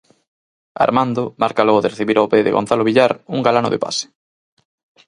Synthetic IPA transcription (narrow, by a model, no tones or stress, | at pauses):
a̰ɾmand̪omaɾkalɔɣoðɪreθiβiɾapeðḛɣo̰n̟θaloβiʎaɾuŋɡalano̰ðḛpa̰se̥